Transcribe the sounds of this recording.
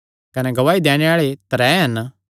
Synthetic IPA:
kɐneɡɐʋaːid̪eːɽ̃eaːɭet̪ɐɾɛːɦɐn

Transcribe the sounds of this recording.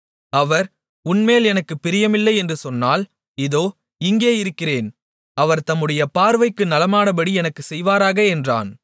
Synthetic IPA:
ɐʋɐɾ | ʊnmeːlɛnɐkːɯpːɪɾɪjɐmɪlːɐɪɛndrɯsɔnːaːl | ɪðoː | ɪŋɡeːɪɾɯkːɪreːn | ɐʋɐɾt̪ɐmːɯɽɐjɐpaːɾʋɐɪkːɯnɐlɐmaːɽɐbɐɽiɛnɐkːɯsɛjʋaːɾaːɣɐɛndra̰ːn

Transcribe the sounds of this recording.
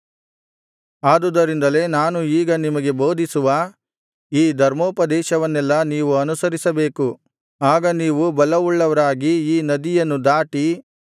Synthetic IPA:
aːd̪ud̪ɐɾind̪ɐle̞naːnuiːɡɐnimɐɡe̞bo̞ːd̪ʱisuʋɐ | iːd̪ʱɐɾmoːpɐd̪ɛːʃɐʋɐnːɛlːɐniːʋuɐnusɐɾisɐbeːku | aːɡɐniːʋubɐlɐʋuɭːɐʋɐɾaːɡiiːnɐd̪ijɐnːud̪aːʈi

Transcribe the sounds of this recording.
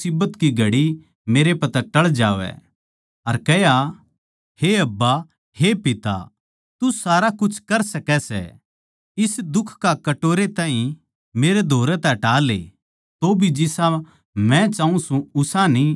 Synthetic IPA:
iːbət̪kiɡʱɐɽi | meːɾepɐt̪aʈɐɭd͡ʒa̰ːʋɛ̰ | ɐɾkɛja | heɐbːa | hepɪt̪a̰ | t̪usaːɾakʊt͡ʃʰkɐɾsɐkɛsɛ̰ | ɪsd̪ʊkʰkakɐʈoːɾet̪ãːĩ | meːɾed̪ʱoːɾɛt̪ɛʈaːlḛ | t̪obʱid͡ʒɪsã | mɛ̃t͡ʃãːũsũʊsani

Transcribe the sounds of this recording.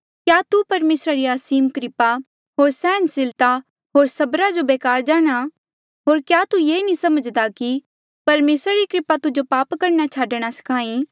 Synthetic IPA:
kjaːt̪upɐɾmeːsɾaɾiaːsiːmkɾɪpa | ɦoːɾsɛ̃ːnsɪlt̪a | ɦoːɾsɐbɾad͡ʒobeːkaːɾd͡ʒaːɽ̃a | ɦoːɾkjaːt̪ujeːnĩsɐməd͡ʒd̪aki | pɐɾmeːsɾaɾikɾɪpat̪ʊd͡ʒopaːpkɐɾñat͡ʃʰaːɖɽ̃asɐ̥kʰãːĩ

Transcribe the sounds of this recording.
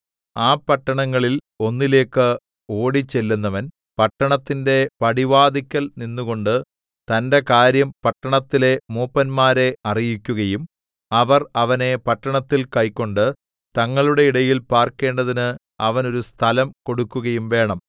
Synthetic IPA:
aːpɐʈːɐɳɐŋːɐɭil | o̞nːile̞ːkːɨ | o̞ːɽit͡ɕːe̞lːunːɐʋɐn | pɐʈːɐɳɐt̪ːinde̞pɐɽiʋaːd̪ikʲːɐlninːuɣo̞ɳɖɨ | t̪ɐnde̞kaːɾjɐmpɐʈːɐɳɐt̪ːile̞muːpːɐnmaːɾe̞ɐrijikʲːuɣɐjum | ɐʋɐrɐʋɐne̞pɐʈːɐɳɐt̪ːilkɐjkːo̞ɳɖɨ | t̪ɐŋːɐɭuɽe̞iɽɐjilpaːrke̞ːɳɖɐðinɨ | ɐʋɐno̞ɾust̪ʰɐlɐmko̞ɽukːuɣɐjumʋe̞ːɳɐm

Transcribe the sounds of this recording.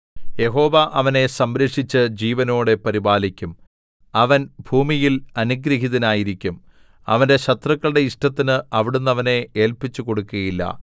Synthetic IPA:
je̞ɦo̞ːʋɐʔɐʋɐne̞sɐmɾɐʂit͡ɕːɨd͡ʑiːʋɐno̞ːɽe̞pɐɾibaːlikʲːum | ɐʋɐnbʱuːmijilɐnuɡɾɐɦiðɐnaːjiɾikʲːum | ɐ̰ʋɐnde̞ɕɐt̪rɐkːɐɭɨɽe̞iʂʈɐt̪ːinɨɐʋiɽunːɐʋɐne̞eːlpit͡ɕːuko̞ɽukːuɣɐjilːɐ̰

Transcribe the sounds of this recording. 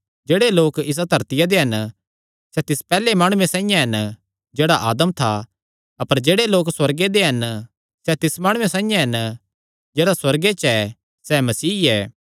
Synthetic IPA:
d͡ʒeːɽeloːkɪs̬ad̪ʱɐɾt̪ɪjad̪eɦɐn | sɛt̪ɪspɛːlemaːɽ̃ʊ̃ẽsãːĩjãɦɐn | d͡ʒeːɽaʔaːd̪əmt̪ʰa | ɐpəɾd͡ʒeːɽeloːkswɐɾɡed̪eɦɐn | sɛt̪ɪsmaːɽ̃ʊ̃ẽsãːĩjãɦɐn | d͡ʒeːɽaswɐɾɡet͡ʃɛ | sɛmɐsiːɛː

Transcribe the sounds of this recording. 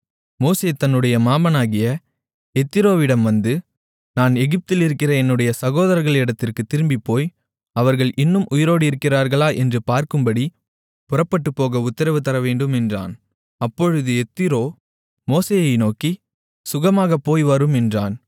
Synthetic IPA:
moːseːt̪ɐnːɯɽɐjɐmaːmɐnaːɣɪjɐ | ɛt̪ːɪɾoːʋɪɽɐmʋɐnd̪ɯ | naːnɛɣɪp̚t̪ɪlɪɾɯkːɪrɐɛnːɯɽɐjɐsɐɣoːðɐɾɐɾɣɐɭɛɽɐt̪ːɪrkɯt̪ːɪɾɯmbipːoːj | ɐʋɐɾɣɐɭʔɪnːɯmʔʊjɪɾoːɽɯɪɾɯkːɪraːɾɣɐɭaːʔɛndrɯpaːɾkɯmbɐɽi | pʊrɐpːɐʈːɯpːoːɣɐʊt̪ːɐɾɐʋɯt̪ɐɾɐʋeːɳɖɯmɛndra̰ːn | ɐpːɔɻɯðɯɛt̪ːɪɾoː | moːseːjɐɪnoːki | sʊɣɐmaːɣɐpːoːjʋɐɾɯmɛndraːn

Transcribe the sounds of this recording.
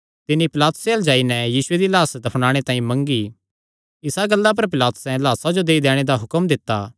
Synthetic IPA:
t̪ɪnːipɪlaːt̪ʊ̥seɐld͡ʒaːinɛjiːsʊed̪ilaːsd̪ɐpʰɽ̃ãːɽ̃et̪ãːĩmɐ̃ŋɡi | ɪsaɡɐlːap̬ɐɾpɪlaːt̪ʊ̥sɛ̃laːsad͡ʒod̪eːid̪ɛːɽ̃ed̪aɦʊkəmd̪ɪt̪ːaː

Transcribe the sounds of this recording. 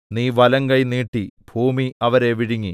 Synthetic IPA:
niːʋɐlɐŋkɐjniːʈːib̥ʱuːmiɐʋɐɾe̞ʋiɽiŋːi

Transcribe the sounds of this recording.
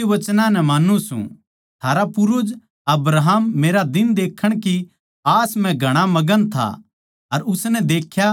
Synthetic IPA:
iʋɐt͡ʃnãnɛmaːnusṵ̃ | t̪ʰaːɾapʊɾʊd͡ʒ | ɐbɾaɦəmːeːɾad̪ɪnd̪eːkʰːəɽ̃ki | aːsmɛ̃ɡʱɐɽ̃amɐɡənt̪ʰa̰ | ɐɾʊsnɛd̪eːkʰja

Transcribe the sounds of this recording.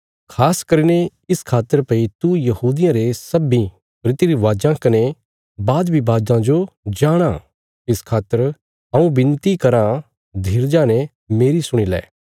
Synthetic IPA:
kʰaːskɐɾine | ɪskʰaːt̪ːəɾpɐ̃ĩt̪ujɐhuːd̪ɪjãɾesɐbĩ | pɾɪt̪iɾiʋaːd͡ʒãkɐne | baːd̪bʱibaːd͡ʒãd͡ʒod͡ʒaːɽ̃a | ɪskʰaːt̪ːəɾ | ɦɐũbɪ̃nt̪ikɐɾã | d̪ʱiɾd͡ʒaːñe | meːɾisʊɽ̃ilɛ̰ː

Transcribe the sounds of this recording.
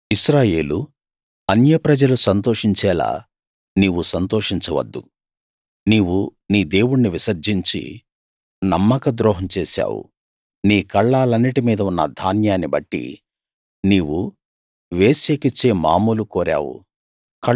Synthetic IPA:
iʃɾaːje̞ːlu | ɐnjɐpɾɐd͡ʒɐlusɐnt̪oːʂiɲt͡ʃɛːla̰ː | niːwusɐnt̪oːʂiɲt͡ʃɐʋɐ̰d̪ːṵ | niːwuniːd̪e̞ːwuɽniʋisɐɾd͡ʒiɲt͡ʃḭ | nɐmːɐkɐd̪ɾɔːɦɐmt͡ʃeːsa̰ːwṵ | niːkɐɭːaːlɐnːiʈimiːd̪ɐunːɐ̰d̪ʱaːnjaːnːibɐʈːḭ | niːwu | ʋeːseːkit͡ʃːeːmaːmuːlukoːɾa̰ːwṵ | ɐ

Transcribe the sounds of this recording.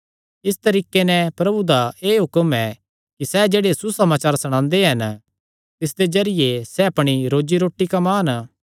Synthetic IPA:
ɪst̪ɐɾiːkenɛ̃pɾɐbud̪aeːɦʊkəmɛ | kisɛd͡ʒeːɽesusɐmaːt͡ʃaːɾsɐɽ̃ãːnd̪eɦɐn | t̪ɪs̬d̪ed͡ʒɐɾɪjesɛɐpɽ̃iɾoːd͡ʒiɾoːʈːikamaːn

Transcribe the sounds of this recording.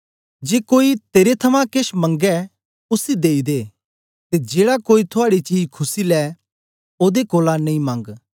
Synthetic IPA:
d͡ʒeːkoːit̪eːɾet̪ʰɐmãkeʃmɐ̃ŋɡɛ | ʊsid̪eːid̪e | t̪ed͡ʒeːɽakoːit̪ʰʊaːɽit͡ʃiːd͡ʒkʰʊsilɛ | oːd̪ekoːlanɐ̃ĩmɐ̃ŋɡ

